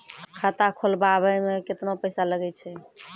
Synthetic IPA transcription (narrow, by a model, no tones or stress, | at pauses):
kʰət̪akʰolbabəjmeket̪nopəɪsaləɡɛt͡ʃʰɛ